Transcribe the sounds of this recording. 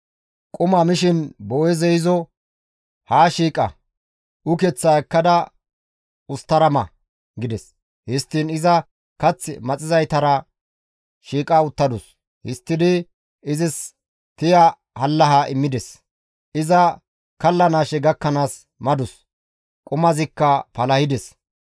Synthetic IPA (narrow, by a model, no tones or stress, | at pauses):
kʼʊmɐmɪʃɪnboːjɛzɛɪzɔ | haːʃiːkʼɐ̰ | ʊkɛt͡sːaɛkːɐd̪ɐ | ʊst̪ːɐɾɐmɐ̰ | ɡɪd̪ɛs | hɪst̪ːɪnɪzɐ | kɐt͡sːɪ̰mɐt͡sʼɪzɐjt̪ɐɾɐ | ʃiːkʼaʊt̪ːɐd̪ʊs | hɪst̪ːɪd̪ɪ | ɪzɪs | t̪ɪja | hɐlːɐɦaʔɪmːɪd̪ɛs | ɪzɐ | kɐlːɐnaːʃɛɡɐkːɐnaːs | mɐd̪ʊs | kʼʊmɐzɪkːɐpɐlɐhɪd̪ɛs